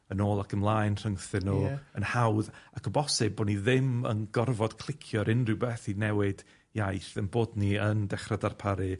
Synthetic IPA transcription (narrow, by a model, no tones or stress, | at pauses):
ənoːlˠakʰəmlˠaːjnr̥əŋθɨnːuənhawðakʰəbɔsɨb̚boːniðɪmə̰nɡɔrvɔd̥kʰl̥ˠɪkʰjɔɾʔɪnrɪwbɛθinɛwɪd̥ | jajθənboːdniəndɛχradarpʰaɾɨ